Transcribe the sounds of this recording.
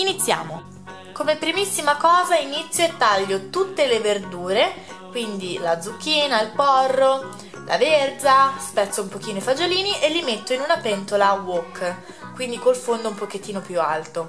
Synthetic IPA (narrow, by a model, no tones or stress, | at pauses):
init̪sːja̰ːmo | komepːɾimisːimakɔːzainit̪sːjoet̪ːaʎːot̪ut̪ːeleverd̪uːɾe | kwind̪ilad̪zukːiːnailpɔrːo | lʔa̰verd͡ʒaspɛt̪sːoumpok̟iːnoifad͡ʒoliːniʔelːimet̪ːoinunapɛnt̪olaːwokː | kwind̪ikolfond̪oumpoket̪ːiːnopjua̰lt̪o